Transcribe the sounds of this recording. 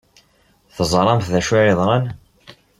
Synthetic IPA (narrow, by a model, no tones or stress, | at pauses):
θəzˤɾˤɑmθðæʃieðˤɾˤɑn